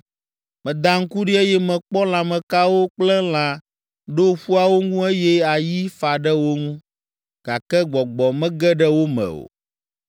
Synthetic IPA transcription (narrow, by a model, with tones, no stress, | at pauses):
mɛ̃˨d̪a˦ŋ̩˦ku˦ɖi˦e˦jɛ˦mɛ̃˨k͡pɔ˦l̃ã˨mɛ̃˨ka˦wo˦k͡plɛ˦l̃ã˨ | ɖo˦ɸu˦a˦wo˦ŋũ˦e˦jɛ˦a˨ji˦fa˨ɖɛ˦wo˦ŋũ˦ | ɡ̥a˨kɛ˦ɡ͡bɔ˨ɡ͡bɔ˨mɛ̃˦ɡɛ˦ɖɛ˦wo˦mɛ̰˨o̰˨